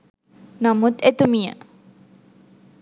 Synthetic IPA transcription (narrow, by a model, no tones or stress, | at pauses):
namut̪et̪umijə̰